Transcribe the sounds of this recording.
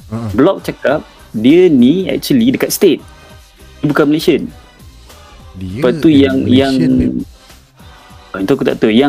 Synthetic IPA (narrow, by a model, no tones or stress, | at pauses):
blɔk̚t͡ʃakap̚ | diəniɛ̰k̚t͡ʃuəlidəkat̪̚stet̚ | əbukãnmileʃən | pat̪ujaŋjaŋ | int̪okut̪a̰ʔt̪əja